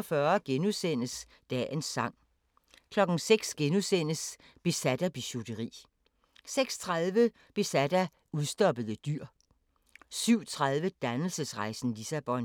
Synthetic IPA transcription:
ɒfɶːɐɡ̥enuðˠsen̰əs | d̥ɛ̰enssɑ̈ŋ̰ | kʰlɒ̽ɡ̥n̩seɡ̥sɡ̥enusen̰əs | b̥e̝sæd̥æb̥iɕod̥əʁḭː | seɡ̥st͡sʰʁɑðˠʋə | b̥e̝sæd̥æ | uðˠsd̥ɒ̽b̥əð̞̩ˠəd̥yɐ̰ | syʊ̰t͡sʰʁɑð̞ˠʋəd̥ænl̩səsʁɑ̈ɪsn̩lisæb̥ɒ̽n

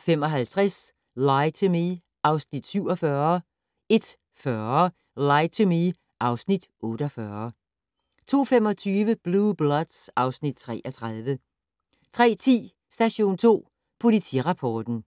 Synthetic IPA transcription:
fem̰ɒ̽ɦælt͡sʰʁɛs | lɑ̈ɪt͡sʰemi | ʔɑ̈ʊsnid̥syʊ̰ɒfɶɐ | e̝d̥ | fɶɐ | lɑ̈ɪt͡sʰømi | ʔɑ̈ʊsnid̥ʔɔ̽ːɾ̥əɒfɶɐ | t͡sʰo̝̰ːfemɒ̽t͡sʰyːʋəb̥lub̥lɒd̥sɑ̈ʊsnid̥̚t͡sʰʁɛ̰ːʔɒt͡sʰʁaðˠʋə | t͡sʰʁɛ̰ːt͡sʰḭː | sd̥æɕo̝̰ːnt͡sʰo̝̰ː | pʰo̝lit͡sʰiʁɑ̈pʰɒːd̥n̩

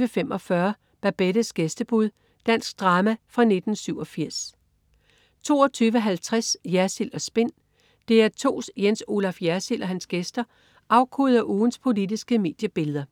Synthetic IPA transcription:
əfemɒ̽fɶɐ | b̥æb̥eɾ̥əsɡ̥esd̥əb̥uðˠ | d̥æn̰sɡ̥d̥ʁɑ̈ːmæfʁɑ̈ne̝d̥n̩syʊ̰ɒ̽fiɐ̰s | t͡sʰo̝̰ːɒt͡sʰyːʋəɦælt͡sʰʁasjæɐsil̰ɒ̽sb̥e̝n̰ | d̥e̝æɐt͡sʰo̝̰ːsjenso̝lɑ̈fjæɐsilɒ̽ɦænsɡ̥esd̥ɐ | ʔɑ̈ʊkʰuːð̩ˠɒʔuːn̩spʰo̝lid̥isɡ̥əme̝̰ːd̥jəb̥e̝ləðˠɐ

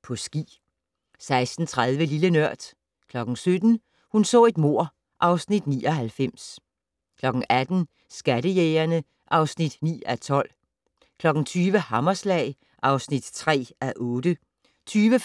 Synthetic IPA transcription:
pʰɒ̽sɡ̥ḭː | sɑ̈ɪsd̥n̩t͡sʰʁað̞ˠʋəlilənɶɐ̰d̥ | kʰlɒ̽ɡ̥n̩sød̥n̩ | hunsɔ̰ːe̝d̥mo̝ɐ̰ | ʔɑ̈ʊsnid̥nḭːɒ̽ɦælfem̰s | kʰlɒ̽ɡ̥ŋ̩æd̥n̩ | sɡ̥æɾ̥əjeːɐnə | ʔɑ̈ʊsnid̥nḭːæt͡sʰɒ̽l̰ | kʰlɒ̽ɡ̥ŋ̩t͡sʰyːʋəhɑmɐslɛ̰ɪ | ʔɑ̈ʊsnid̥t͡sʰʁɛ̰ːæʔɔ̽ːd̥ə | t͡sʰyːʋə

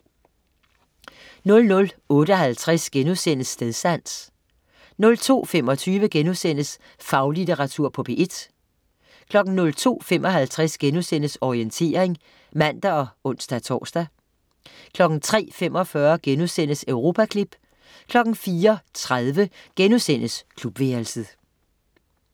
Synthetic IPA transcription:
nɔ̽lnɔ̽lɔ̽ːɾ̥əɒɦælt͡sʰʁasɡ̥enuðˠsen̰əsːd̥eðˠsæn̰s | nɔ̽lt͡sʰo̝̰ːfem̰ɒ̽t͡sʰyːʋəɡ̥enuðˠsen̰əs | fɑ̈ʊlit͡seʁɑ̈t͡sʰuɐ̰pʰɒ̽b̥e̝ʔe̝d̥ | kʰlɒ̽ɡ̥n̩nɔ̽lt͡sʰo̝̰ːfemʔɒ̽ɦælt͡sʰʁasɡ̥enuðˠsen̰əsɒient͡sʰe̝̰ːɐ̰eŋ | mæn̰d̥æɒ̽ɔ̽n̰sd̥æt͡sʰɒ̰ːsd̥æ | kʰlɒ̽ɡ̥n̩t͡sʰʁɛ̰ːfem̰ɒ̽fɶɐɡ̥enusen̰əsøʊʁo̝ːpʰækʰlib̥ | kʰlɒ̽ɡ̥n̩fiːɐt͡sʰʁaðˠʋəɡ̥enusen̰əskʰlub̥ʋeːɐlsəð̩ˠ

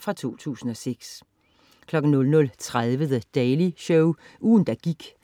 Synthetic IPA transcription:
fʁɑ̈t͡sʰo̝̰ːt͡sʰṵːsn̩ɒ̽seɡ̥s | kʰlɒ̽ɡ̥n̩nɔ̽lnɔ̽lt͡sʰʁaðˠʋəðˠəd̥ɛɪliɕɔʊʔuːn̩d̥æɡ̥iɡ̥

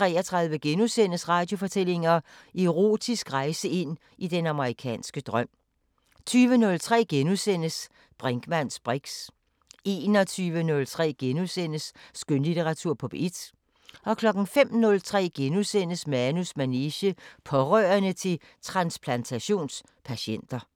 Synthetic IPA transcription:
t͡sʁɛ̰ːɐt͡sʰʁɑ̈ðˠʋəɡ̥enusen̰əsʁɑ̈ːd̥jo̝fɒ̽t͡sʰel̰e̝ŋɐ | ʔeʁo̝̰ːd̥isɡ̥ʁɑ̈ɪsəe̝n̰ | id̥enɑ̈məʁikʰɛ̰ːnsɡ̥əd̥ʁɶm̰ | t͡sʰyːʋənɔ̽lt͡sʰʁɛ̰ːɡ̥enusen̰əs | b̥ʁeŋɡ̥mæn̰sb̥ʁeɡ̥s | e̝ːnɒ̽t͡sʰyːʋənɔ̽lt͡sʰʁɛ̰ːɡ̥enusen̰əsːɡ̥ønlit͡sʰeʁɑ̈t͡sʰuɐ̰pʰɒ̽b̥ed̥ | ɒ̽kʰlɒ̽ɡ̥n̩fem̰nɔ̽lt͡sʰʁɛ̰ːɡ̥enusen̰əsmeænusmæniɕəpʰɒ̽ʁœːɐnət͡sʰe̝ | t͡sʰʁɑ̈nspʰlænt͡sʰæɕo̝̰ːns | pʰæɕen̰d̥ɐ

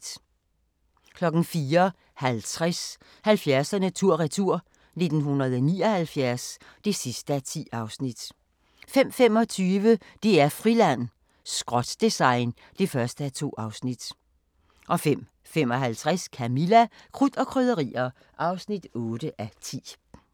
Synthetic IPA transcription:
kʰlɒ̽ɡ̥n̩fiːɐɒ | hælt͡sʰʁas | hælfjæɐsɐnət͡sʰuɐ̰ʁɛt͡sʰuɐ̰ | ne̝d̥n̩ɦunɐð̩ˠɒnḭːɒ̽hælfjæɐs | d̥e̝sisd̥əæt͡sʰḭːɑ̈ʊsnid̥ | fem̰fem̰ɒ̽t͡sʰyːʋə | d̥eæɐfʁilæn̰ | sɡ̥ʁɒ̽d̥d̥e̝sɑ̈ɪn | d̥e̝fɶɐsd̥əæt͡sʰo̝̰ːʔɑ̈ʊsnid̥ | ʔɒ̽fem̰ | fem̰ɒɦælt͡sʰʁɛskʰæmilækʰʁud̥ɒ̽kʰʁøð̞ˠəʁḭːɐ | ʔɑ̈ʊsnid̥ɔ̽ːd̥əʔæt͡sʰḭː

